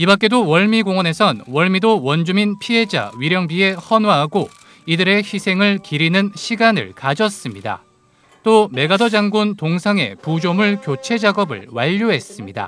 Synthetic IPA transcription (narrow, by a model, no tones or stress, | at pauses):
ibak͈e̞dowʌɭmiɡoŋʌne̞sʰʌnwʌɭmidowʌnd͡ʑuminpʰiɦe̞d͡ʑa̰ɥiɾjʌŋbie̞hʌnwaɦaɡo | idɯɾe̞çisʰe̞ŋɯɭkiɾinɯnɕʰiɡanɯ̰ɭkad͡ʑʌs͈ɯmɲida̰ | t͈ome̞ɡadʌd͡ʑaŋɡuntoŋsʰaŋe̞̰pud͡ʑomuɭkjot͡ɕʰe̞d͡ʑaɡʌbɯ̰ɭwaʎːoɦes͈ɯmɲida̰